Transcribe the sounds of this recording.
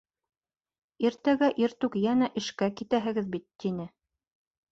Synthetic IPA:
iɾt̪æɡæʔiɾt̪ʉkjænæʔɘ̆ʃkækit̪æɦɘ̆ɡɘðbit̪ːinɘ

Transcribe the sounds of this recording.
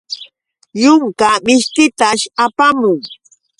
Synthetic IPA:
jʊŋkabɪʃt̪ɪt̪aʃapamʊŋ

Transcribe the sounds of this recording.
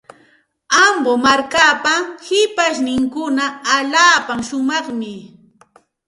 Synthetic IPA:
ambomaɾkapahɪpaʃnɪŋkʊnaːʎaːpamʃʊmɑχmɪ

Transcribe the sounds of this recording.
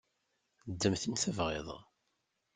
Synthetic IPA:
d̪ːəmθənθævʁɪ̰ðˤ

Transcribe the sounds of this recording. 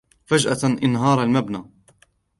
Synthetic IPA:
fad͡ʒʔaʔɪnɦɑːɾˤalmabnaː

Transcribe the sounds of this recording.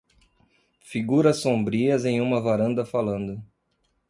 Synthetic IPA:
fiɡuɾɐsːõbɾiɐzẽj̃ũmɐvaɾɐ̃nd̪ɐfalɐ̃nd̪ʊ

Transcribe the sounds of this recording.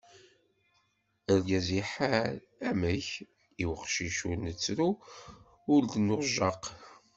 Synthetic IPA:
əɾɡæziħaɾ | æməç | iwəqʃiʃunət͡sːɾu | ʊɾd̪nʊɾʒɑq

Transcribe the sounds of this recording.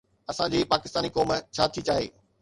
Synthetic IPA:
ɐsãd͡ʑiːpaːkɪst̪aːnikoːmt͡ɕʰaːt̪ʰit͡ɕaːɦḛː

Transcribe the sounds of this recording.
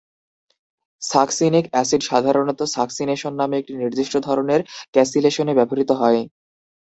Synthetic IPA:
saksinikɛsiɖʃad̪ʱaɾonot̪osaksineʃonːameek̚ʈiniɾd̪iʃʈod̪ʱɔɾoneɾkɛsileʃonebɛboɾit̪oɦɔe

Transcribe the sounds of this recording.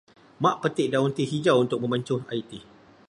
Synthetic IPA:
mãʔpət̪ɪʔdaunt̪iɦid͡ʒawunt̪ʊk̚mə̃məɲt͡ʃʊha̰it̪i

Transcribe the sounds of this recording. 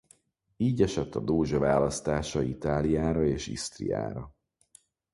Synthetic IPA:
iːɟɛʃɛt̪ːɒd̪oːʒɒvaːlɒst̪aːʃɒit̪aːlijaːɾɒeːʃḭst̪rḭja̰ːɾɒ

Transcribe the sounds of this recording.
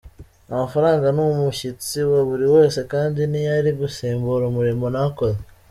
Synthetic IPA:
amafaɾaːŋɡanumuʃit͡siwaβuɾiwe̞ːse̞kaːndinijaɾiβuseːmbuɾomuɾimonako̞ze

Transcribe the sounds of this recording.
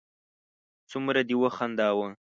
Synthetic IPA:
t͡sumɾad̪iwəxand̪ɑwə

